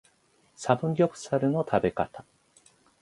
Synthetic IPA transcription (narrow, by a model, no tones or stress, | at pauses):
sabɯ̟̃ŋɡʲokɯ̟̥saɾɯ̟no̞t̪ʰabe̞kat̪ḁ